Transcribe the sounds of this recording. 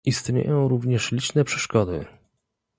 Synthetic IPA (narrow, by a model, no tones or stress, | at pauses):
ist̪ɲḛjɔ̃w̃ɾuvɲɛʂlʲit͡ʂnɛpʂɛ̥ʂkɔd̪ɘ̰